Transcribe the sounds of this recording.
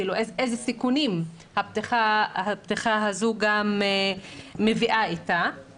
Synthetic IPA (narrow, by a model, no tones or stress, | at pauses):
iluʔezʔejzesikunim | hab̚t̪iχahabt̪iχaɦazuɡameː | eviʔait̪a